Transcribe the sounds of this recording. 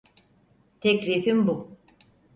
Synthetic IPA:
t̪ʰɛkɾiːfimbu

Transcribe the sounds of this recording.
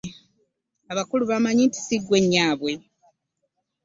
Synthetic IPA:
aβakuluβamaɲinti̥siɡwe̞ɲːaːβwe̞

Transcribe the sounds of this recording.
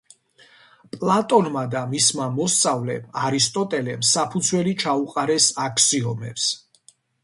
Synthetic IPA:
pʼlˠat̪ʼɔnmad̪amismamɔst̪sʼavlɛ̰maɾist̪ʼɔt̪ʼɛlɛmsapʰud̪zsʰwɛlit͡ʃʰauqʼaɾɛsakʰsiɔmɛ̰ps

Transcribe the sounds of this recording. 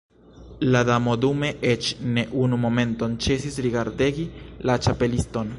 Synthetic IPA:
ladamo̞dume̞ʔet͡ʃne̞ʔunumo̞me̞nto̞nt͡ʃe̞s̬isɾiɡaɾdeɡilat͡ʃape̞listo̞n

